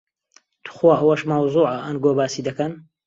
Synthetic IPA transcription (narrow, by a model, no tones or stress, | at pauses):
t̪ʰu̥xwaʔɐwɐʃmawzˤuːʕɐʔɐnɡoːbaːsiːd̪ɐkɐn